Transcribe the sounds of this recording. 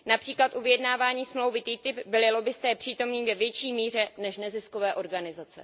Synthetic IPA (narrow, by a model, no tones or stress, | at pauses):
napr̥iːklat̪ʔuvɪjɛdnaːvaːɲiːsmlo̞wvɪt̪iːt̪ɪpbɪlɪlo̞bɪst̪ɛːpr̥iːt̪o̞mniːvɛvjɛt͡ʃiːmiːr̝ɛnɛʃnɛzɪskovɛːʔo̞ɾɡanɪzat͡sɛ̰